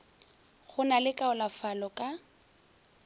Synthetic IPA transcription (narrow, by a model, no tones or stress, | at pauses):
χʊnalɪkʼaʊlafalɔkʼa